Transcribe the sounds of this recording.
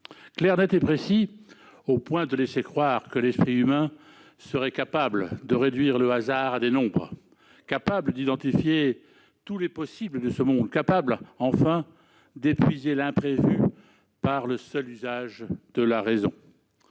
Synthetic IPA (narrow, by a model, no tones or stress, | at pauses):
klɛʁnɛt̪ɛpχesi | opwɛ̃d̪əlɛsekχwaʁkəlɛspχiymɛ̃ | səʁɛkapabld̪əʁed̪ɥiʁləazaʁad̪enɔ̃bʁ | kapabləd̪id̪ɑ̃t̪ifje | t̪ulepɔsibləd̪əsəmɔ̃d̪kapablɑ̃fɛ̃ | d̪epɥizelɛ̃pχevy | paʁləsœlyzaʒd̪əlaʁezɔ̰̃